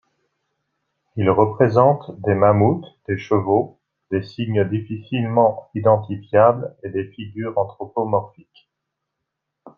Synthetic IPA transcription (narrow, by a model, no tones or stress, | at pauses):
ilʁəpχezɑ̃t̪d̪emamut̪d̪̥eʃəvo | d̪̥esiɲd̪ifisilmɑ̃id̪ɑ̃t̪ifjabled̪efiɡʲyʁɑ̃t̪χɔpomɔʁfik